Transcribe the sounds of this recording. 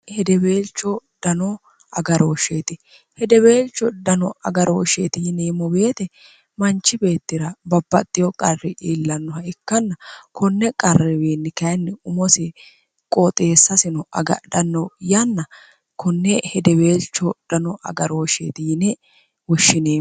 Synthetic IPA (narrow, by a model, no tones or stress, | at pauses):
hɛd̪ɛbe̞ːlt͡ʃːɔd̪̥ɐnɔ | ɐ̰ɡɐɾoːʃeːt̪ɪ | hɛd̪ɛbe̞ːlt͡ʃːɔd̪ɐnɔɐɡɐɾoːʃḛːt̪ɪjɪneːmːɔbe̞ːt̪ɛ | mɐnt͡ʃːɪbe̞ːt̪ːɪɾɐbɐbːɐt̪ʼːɪjɔkʼɐrːɪʔiːlːɐnːɔhɐɪkːɐnːɐkʰɔnːɛkʼɐrːɪbeːnːɪkɐjnːɪʊmɔsɪ | kʼot̪ʼe̞ːsːɐsɪnɔd̪ɐnːɔjɐnːɐ | kɔnːɛhɛd̪ɛbeːlt͡ʃːɔd̪̥ɐnɔʔɐ̰ɡɐɾoːʃḛːt̪ɪjɪnɛ | wɔʃːɪneː